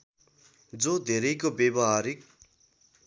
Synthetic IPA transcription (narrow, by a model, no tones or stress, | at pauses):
d͡zod̪ʱeɾʌjkobebʌɦaɾik̚